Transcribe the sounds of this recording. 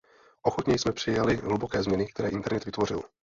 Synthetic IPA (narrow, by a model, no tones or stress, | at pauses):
ʔo̞xot̪ɲɛjsmɛpr̥ɪjalɪɦlubokɛːzmɲɛnɪkt̪ɛɾɛːʔɪnt̪ɛɾnɛt̪vɪt̪vorɪl